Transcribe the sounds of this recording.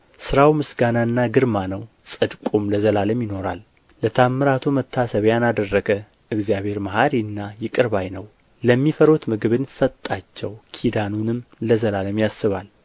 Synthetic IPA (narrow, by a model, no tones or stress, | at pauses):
sɨɾawmɨsɡanaɨnːaɡɨɾmanəw | sʼɨd̪kʼumləzəlaləmjɪno̞ɾa̰l | lət̪ʰamːɨɾat̪ʰomət̪ʰːasəβjanad̪ərːəɡə | ʔɨɡzjaβe̞ɾmahaɾiɨnːajɪkʼɨɾβajnəw | ləmːifəɾot̪mɨɡɨβɨnsət̪ʼːat͡ʃːɛwkʰid̪anunɨmləzəlaləmjasːɨβal